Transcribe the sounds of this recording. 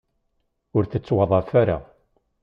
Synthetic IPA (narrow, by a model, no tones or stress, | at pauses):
ʊɾθət͡sːwɑðˤɑfaɾa̰